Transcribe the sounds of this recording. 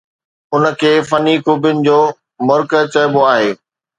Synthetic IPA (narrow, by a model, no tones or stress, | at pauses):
ʊnə̆kʰeːfɐnikʰuːbjʊnɪ̆d͡ʑoː | mʊɾkət͡ɕɐɪboaːɦeː